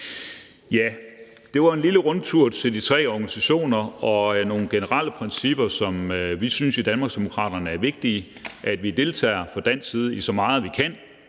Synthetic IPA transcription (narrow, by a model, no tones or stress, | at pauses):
jæ | d̥e̝ʋɑ̈e̝nliləʁɔ̽nt͡sʰuɐ̰t͡sʰe̝ld̥it͡sʰʁɛ̰ːɒɡ̥ænisæɕo̝̰ːnɐɒ̽no̝ːn̩ɡ̥enəʁɑ̈l̰əpʰʁɛnsib̥ɐsɒ̽møʋisynsid̥ænmɑ̈ːɡsd̥e̝mo̝kʰʁɑ̰̈ːd̥ɐnəæɐʋe̝ɡ̥̚d̥iːʔæd̥ʋid̥e̝lt͡sʰɛ̰ːɪɐfɒ̽d̥æn̰siːð̞ˠəisɒ̽mɑ̈ːð̩ˠʋikʰæn̰